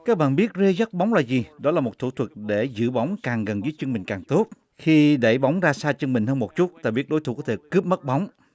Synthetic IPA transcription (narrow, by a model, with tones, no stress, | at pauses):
kaː˦˥k̚ɓa̰ː˧˨nɓi˦˥ət̚ze˧za˦˥t̚ɓɔ˨˦wŋ͡mlaː˨˩zi˨˩ɗɔ˨˦laː˨˩mo˨˩t̚t̪ʰṵ˧˩t̪ʰwə˨˩k̚ɗe˧˩zɨ̰˧˨ɓa˨˦wŋ͡mkaː˨˩ŋɣə˨˩nzəː˨˦jt͡ɕɨ˧ŋmï˨˩ŋ̟kaː˨˩ŋt̪o˦˥t̚ | xi˧ɗe˧˩ɓa˨˦wŋ͡mzaː˧saː˧t͡ɕnmï˨˩ŋ̟həː˧nmo˨˩t̚t͡ɕu˦˥t̚t̪a̰˧˨ɓi˦˥ət̚ɗo˨˦jt̪ʰu˧˩kɔ˨˦t̪ʰe˧˩kɨ˦˥p̚mə˦˥t̚ɓa˨˦wŋ͡m